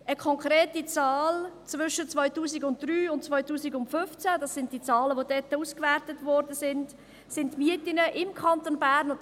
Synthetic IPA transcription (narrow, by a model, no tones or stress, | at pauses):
əkʰɔŋkɾeːtit͡sɑːlt͡svʏʃət͡svɔʏtuːsiɡʊntd̥ryːʊntt͡svɔʏtuːsiɡʊntfʏft͡sædɑsɪnt̚d̥it͡sɑːləʋodɛtəuːskvæɾtətvɔɾdəsɪnd | sɪntmiətɪnəʔɪmkʰɑntonbæːɾn